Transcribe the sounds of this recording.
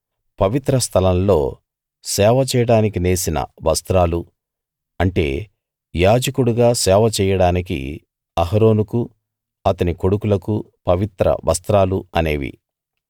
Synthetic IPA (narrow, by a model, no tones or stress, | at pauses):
pɐʋit̪ɾɐst̪ʰɐlɐmlo̞̰ː | sɛːʋɐt͡ʃɛːjɐɽaːnikineːsinɐ̰ʋɐst̪ɾaːlu | ɐɳʈe̞̰ː | jaːd͡ʒɐkuɽuɡaːsɛːʋɐt͡ʃɛːjɐɽaːnik̬ḭ | ɐɦɐɾo̞ːnuku | ɐt̪ɐniko̞ɽukulɐku | pɐʋit̪ɾɐ̰ʋɐ̰st̪ɾaːluɐne̞ːʋḭ